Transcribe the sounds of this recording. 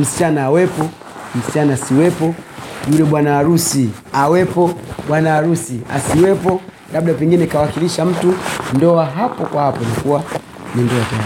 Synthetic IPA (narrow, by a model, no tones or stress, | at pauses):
m̩si̥t͡ʃanaːwɛpɔ | m̩sit͡ʃanaːsiwɛpɔjulɛɓwanaːɾusi | awɛpɔɓwanaːɾusia̰siwɛpɔ | nab̚ɗapɛŋɡinɛkawakiliʃam̩tundɔaɦapɔkwahapɔnakuwa | nindɔataa